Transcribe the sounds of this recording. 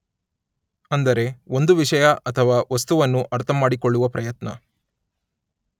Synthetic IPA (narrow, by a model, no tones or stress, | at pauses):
ɐnd̪ɐɾe̞o̞nd̪uʋiʂɐjɐʔɐt̪ʰɐʋaːʋɐst̪uʋɐnːuʔɐɾt̪ʰɐmːaːɽikoɭːuʋɐpɾɐjɐt̪nɐ̰